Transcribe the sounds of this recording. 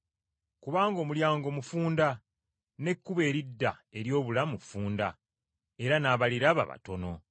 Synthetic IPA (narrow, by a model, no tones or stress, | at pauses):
kuβaːŋɡo̞muljaːŋɡo̞mufuːnda | ne̞kːuβe̞ːɾidːae̞ɾjo̞ːβulamufuːnda | e̞ɾanaːβaliɾaβa̰βa̰to̞no̞